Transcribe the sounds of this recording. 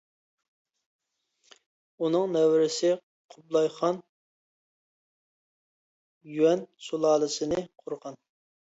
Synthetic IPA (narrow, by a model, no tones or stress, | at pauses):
unɨŋnɛwɾɪsɪ | qʰʊblˠɑjqʰɑn | jywɛnsulˠɑːlˠɨsɨnɨqʰʊɾʁɑn